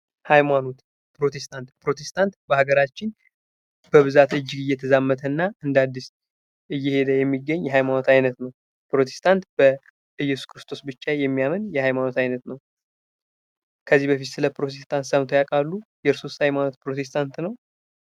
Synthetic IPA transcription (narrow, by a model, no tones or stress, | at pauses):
hajmano̞t̪ | pɾo̞t̪ʰe̞st̪ʰant̪pɾo̞t̪ʰe̞st̪ʰant̪bəhaɡəɾat͡ʃːɪn | b̥əβɨzat̪ɨd͡ʒːɪɡɨjɛt̪ʰəzamːət̪ʰənːaɨnd̪ad̪ːis | ʔɨjːɛhe̞d̪əjɛmːiɡːəɲːjɛhajmano̞t̪ajnət̪nəw | pɾo̞t̪ʰe̞̥st̪ʰant̪b̥ə | ʔɨjːɛsu̥skʰɾɨst̪ʰo̞sbɨt͡ʃːajɛmːijamənjɛhajmano̞t̪ajnət̪nəw | kʰəzːihbəfit̪sɨləpɾo̞t̪ʰe̞st̪ʰant̪səmt̪ʰojakʼalːujɛɾsost̪hajmano̞t̪̚pɾo̞t̪ʰe̞s̬t̪ʰant̪nəw